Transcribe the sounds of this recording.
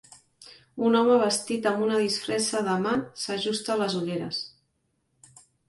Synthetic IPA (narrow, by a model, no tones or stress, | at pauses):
unɔməβ̞əst̪it̪əmbunəð̞isfɾɛsəðəmasəʒust̪əːləzuʎeɾə̰s